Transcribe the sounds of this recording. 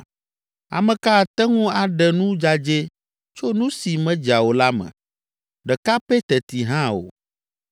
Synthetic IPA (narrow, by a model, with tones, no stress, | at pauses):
a̰˨mɛ̃˨ka˦˨t̪ɛ˦ŋũ˦a˨ɖɛ˨nũ˦d͡ʒa˦d͡ʒe˦ | t͡ʃo˦nũ˦si˨mɛ̃˦d͡ʒa˨wo˨la˦mɛ̰̃˨ | ɖɛ˨ka˦pɛ˦t̪ɛ˨t̪i˨ɦã˦o̰˨